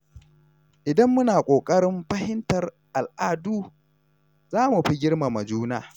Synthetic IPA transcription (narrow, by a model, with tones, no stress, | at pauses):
ʔɪ˨dɐ˦mːʊ˦naː˨kʷʼoː˨kʼɐ˦ɽɪ˦mɸɐ˦hɪ˦ntɐ˨r | ʔa˨lʔaː˦duː˦ | zaː˦mu˨ɸi˦ɡʲɪ˦rma˨mɐ˨d͡ʒuː˦na̰ː˦